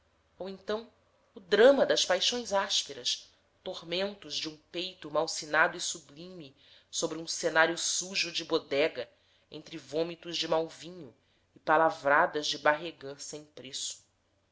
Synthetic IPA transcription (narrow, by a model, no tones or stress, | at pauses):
owẽnt̪ɐ̃w̃ | ʊd̪ɾɐ̃mɐd̪ɐspajʃõj̃zaʃpeɾɐs | t̪ohmẽnt̪ʊzd͡ʒɪũpejt̪ʊmawsinad̪ʊisublĩmi | sobɾɪũsenaɾjʊsuʒʊd͡ʒɪbod̪ɛɡɐ | ḛ̃nt̪ɾɪvõmit̪ʊzd͡ʒɪmawvĩɲʊ | ɪpalavɾad̪ɐzd͡ʒɪbaɦeɡɐ̃sẽj̃pɾesʊ̥